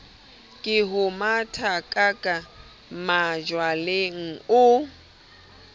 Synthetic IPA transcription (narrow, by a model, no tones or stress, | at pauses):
kʼɪɦʊmatʰakʼakʼa | mad͡ʒwaleŋ̩ʊ